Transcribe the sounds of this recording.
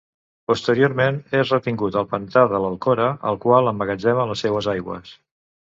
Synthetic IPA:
pust̪əɾioɾmenezrət̪iŋɡut̪əlˠpənt̪aðələlˠkoɾəʔə̰lˠkwalˠəmbəɣəd͡ʒɛmələsːɛwəzajɣwə̰s

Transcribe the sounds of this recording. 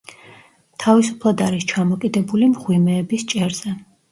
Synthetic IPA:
t̪ʰavisupʰlˠad̪aɾist͡ʃʰamɔkʼid̪ɛbulimʁwimɛːbist͡ʃʼɛɾz̥ɛ

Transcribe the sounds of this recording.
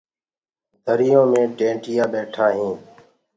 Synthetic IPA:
d̪ʱəɾɪjõːmẽːʈẽːʈɪjaːɓeːʈʰaːɦĩː

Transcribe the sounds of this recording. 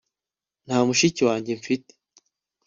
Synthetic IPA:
n̥haːmuʃiciwaːɲɟe̞ɱfite̥

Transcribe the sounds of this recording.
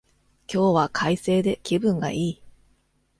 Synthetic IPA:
kʲo̞ːβakʰaise̞ːd̪e̞kʲibɯ̟̃ŋɡa̰iː

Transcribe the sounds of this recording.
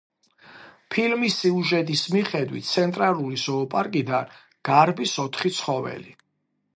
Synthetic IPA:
pʰilmisːiuʒɛt̪ʼismiχɛd̪wḭt̪̚t̪sʰɛnt̪ʼɾalˠulisɔːpʼaɾkʼid̪an | ɡ̥aɾbisɔt̪ʰχit̪sʰχɔvɛ̰li

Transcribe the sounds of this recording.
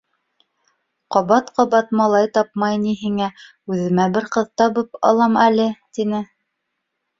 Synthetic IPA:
qɑβɑt̪qɑβɑt̪mɑlˠɑjt̪ɑp̚mɑjniɦiŋæ | ʉðɘ̆mæbɘɾqɤ̆ðt̪ɑβɤpɑ̰lˠɑmælɘt̪inɘ

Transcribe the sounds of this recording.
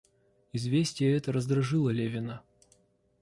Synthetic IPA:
ɪzvʲesʲtʲɪjəɛt̪əɾəzd̪ɾɐʐɨlˠəlʲevʲɪnə

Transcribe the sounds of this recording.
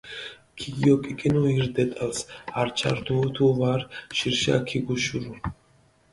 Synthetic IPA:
kʰiɡiɔkʼikʼinuiɾd̪ɛt̪ʼalsaɾt͡ʃʰa̰ɾt̪ʰut̪ʰuvaɾʃiɾʃa̰kʰiɡuʃuɾu

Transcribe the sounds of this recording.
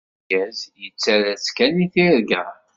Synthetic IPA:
æzjət͡sːæɾæskæniθiɾɡə

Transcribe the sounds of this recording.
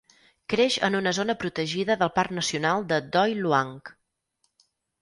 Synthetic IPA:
kɾeʃə̰nunəzonəpɾut̪əʒiðəðəlˠparknəsiunalˠd̪əd̪ɔjluaŋk

